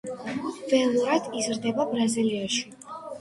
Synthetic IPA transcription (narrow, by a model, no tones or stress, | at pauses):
vɛlˠuɾad̪̥izɾd̪ɛbabɾaziliaʃi̥